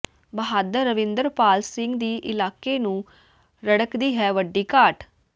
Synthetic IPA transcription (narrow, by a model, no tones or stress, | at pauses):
bəɦaːd̪əɾːəʋɪ̃nd̪əɾpaːlsɪ̃ŋɡd̪iːʔɪlaːkeːnũː | ɾəɽəkd̪iːɦɛːʋəɖiːkaːʈ